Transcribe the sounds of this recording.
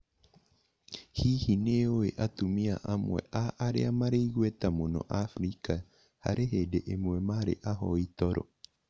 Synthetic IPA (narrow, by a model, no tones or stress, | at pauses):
hiːhineoeʔat̪umiaʔamuɛ̰ʔaʔaɾḛamaɾeiɣuet̪amonɔ̰ʔafɾika | ha̰ɾeɦedeʔemuemaɾḛʔaɦɔit̪ɔɾɔ̰